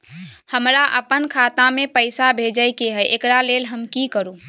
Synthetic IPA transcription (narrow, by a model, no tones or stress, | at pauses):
həmɾaʔə̰pənkʰaːt̪ãmẽpəɪsabʱed͡ʒəjkeɦɛʔekɾaleːlɦəmkikəɾuː